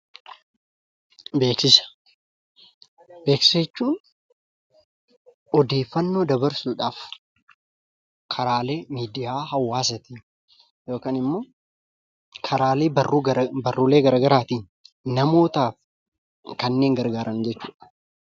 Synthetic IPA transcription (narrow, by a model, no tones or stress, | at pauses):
be̞ːksɪsɐ̥ | be̞ːkseːt͡ʃːuːn | ɔd̪e̞ːfːɐnːo̞ːd̪ɐbɐɾsuːᶑaːf | kʰɐɾaːle̞ːmiːd̪ɪjaːɦɐwːaːs̬ɐt̪in | jo̞ːkaːnɪmːo̞ː | kʰɐɾaːleːɐrːubɐrːʊle̞ːɡɐɾaːɡɐɾaːt̪iːnː | ɐmo̞ːt̪aːf | kɐnːe̞ːŋɡɐɾɡaːɾʔɐnd͡ʒɛt͡ʃːuːᶑɐ̥